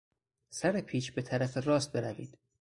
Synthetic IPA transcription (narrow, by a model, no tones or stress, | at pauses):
sæɾepʰiːʃbe̞t̪ʰæɾæferɒːst̪̚be̞ɾævḭːd̪̥